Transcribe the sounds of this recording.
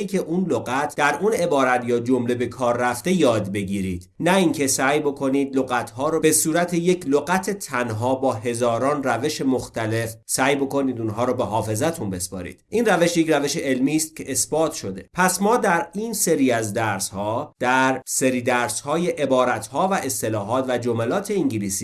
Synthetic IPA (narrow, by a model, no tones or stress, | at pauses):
icʰeʔunloɣæt̪ʰd̪̥æɾʔune̞bɒːɾæt̪jɒːd͡ʒo̞mle̞be̞kʰɒːɾːæft̪e̞jɒːd̪be̞ɟiːɾiːd̪̥næiːŋcʰe̞sæːjbo̞kʰo̞niːd̪̚loɣæt̪ʰɦɒːɾoːbe̞suːɾæt̪ʰeje̞cʰloɣæt̪ʰe̞t̪ʰænɦɒːbɒːɦe̞zɒːɾɒːnræve̞ʃe̞mo̞xt̪æle̞fsæːjbo̞ko̞niːd̪unɦɒːɾɔbe̞ɦɒːfe̞zæt̪ʰunbe̞spɒ̰ːɾḭːd̪̥ʔiːnræve̞ʃje̞cɾæve̞ʃeʔelmiːst̪̚cʰeʔesbɒːt̪ʰʃo̞d̪e̞̰pʰæsmɒːd̪æɾiːnse̞ɾiːæzd̪æɾshɒːd̪̥æɾse̞ɾiːd̪æɾshɒːje̞ʔe̞bɒːɾæt̪hɒːvæʔe̞st̪e̞lɒːɦɒːt̪væd͡ʒomælɒːt̪ʰe̞iŋɟiliːsi